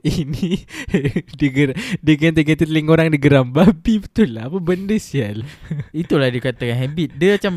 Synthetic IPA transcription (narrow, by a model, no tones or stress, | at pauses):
ini | diɡəɾadiɡnt̪əɡət̪ət̪liŋoɾaŋdiɡəɾambabibət̪ulaːpabəndəsialait̪ulahdikat̪akanɦɛbit̪̚dəat͡ʃam